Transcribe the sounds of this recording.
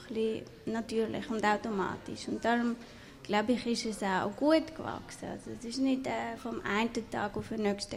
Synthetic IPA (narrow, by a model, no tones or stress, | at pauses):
χli | nɑtyːɾlɪ̰χʊndaʊtoma̰ːtḭʃʊnt̚d̥aɾʊm | ɡ̥laʊbɪχɪʃɛsaʊɡ̥uətkvɑ̰ksəɑ̰soɛsɪʃnɪdɛːfɔmʔa̰ɪntətʰɑ̰ːɡʊfənœkʃtə